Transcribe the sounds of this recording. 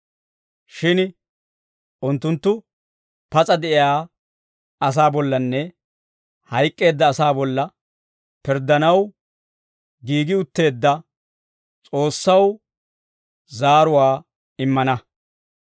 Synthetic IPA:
ʃɪn | ʔʊnt̪ːʊnt̪ːʊ | pɐt͡sʼɐd̪ɛʔɪjaː | ɐs̬aːbɔlːɐnːɛ | hɐjkʼːe̞ːd̪ːɐːsaːbɔlːɐ | pɪɾd̪ːɐnɐw | ɡiːɡɪʊt̪ːe̞ːd̪ːɐ | t͡sʼo̞ːsːɐw | zaːɾʊwaː | ɪmːɐnɐ

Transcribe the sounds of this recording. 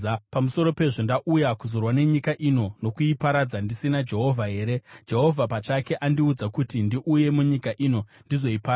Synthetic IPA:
pamuso̞ɾo̞pe̞ʐondaʔujakuzo̞rwane̞ɲikaʔino̞no̞kuipaɾad͡zandisinad͡ʒe̞ɦo̞vʱaɦe̞ːɾe̞d͡ʒe̞ɦo̞vʱapat͡ʃake̞ʔandiud͡zakutindiʔuje̞muɲikaʔino̞ndizo̞ipaː

